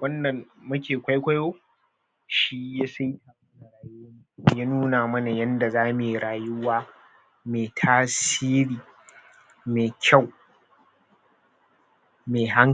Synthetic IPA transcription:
wɐ˦nːɐ˨mmʊ˦kʲeː˨kʷa˦jkʷa˦jwoː˦ | ʃi˦ja˦sa˦jta˨˦na˨ɾaː˨ju˦˨jaː˦nuː˦naː˨mɐ˦na˨jɐ˦nda˨zaː˦me˨ɾaː˨jʊ˦waː˦ | meː˨tʰaː˦siː˦ɽiː˨ | meː˨kʲʰa˦˨w | meː˨ɦa˦ŋ

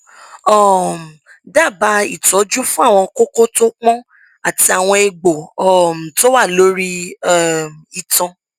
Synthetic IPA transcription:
ɔ˦˨m̩˨ | da˦˨ba˧˦ḭ˦˨tɔ˨˦d͡ʒu˦fũ˦a˦˨w̃ɔ̃˧ko˦ko˦to˦k͡pɔ̃˦ | a˦˨ti˧a˨w̃ɔ̃˧e˧ɡ͡bo˨ɔ˦˨m̩˨to˦wa˦˨lo˨˦ɾi˦˨ | mi˨tɔ̃˧

